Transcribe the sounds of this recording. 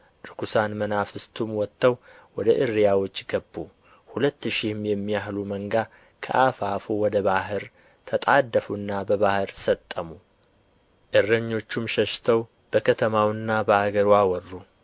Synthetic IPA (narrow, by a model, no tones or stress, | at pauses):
ɾɨkusanmənafɨst̪ʰumwɔt̪ʰːəwwɔd̪əʔɨrijawo̞t͡ʃːɡəbːu | hulət̪ːʃihmjɛmːijahluməŋɡa | kʰə̰ʔafafuwɔd̪əβaɦɨɾ | t̪ʰət̪ʼad̪ːəfunːabəβahɨɾsət̪ʼːəmu | ʔɨrːəɲːo̞t͡ʃːumʃəʃt̪ʰəw | b̥əkʰət̪ʰəmawɨnːabəaɡəɾwawɔrːu